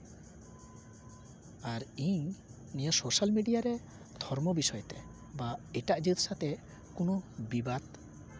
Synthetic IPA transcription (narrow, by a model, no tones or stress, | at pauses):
aɾiɲ | nijasoʃalmiɖijaɾe | d̪ʱɔɾmobiʃɔjt̪e | baɛʈaʔd͡ʒit̪ʃat̪e | kunobibat̪